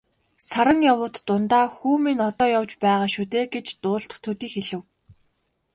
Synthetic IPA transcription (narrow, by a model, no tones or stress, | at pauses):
saɾə̆ŋjawʊːt̪ːʊnt̪aːxuːminɔt̪ɔːjawt͡ɕpæːʁaːʃut̪eːɡet͡ɕt̪ʊːɬt̪ə̥̆χt̪ʰːɵt̪iːxeɮɘ̆w